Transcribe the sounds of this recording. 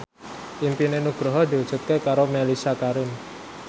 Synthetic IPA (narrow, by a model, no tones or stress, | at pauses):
ʔimpinenuɡ̥ɾɔɦɔd̪̥i̤u̥ʒ̥ṳt̪̚kekaɾomelisakaɾʊn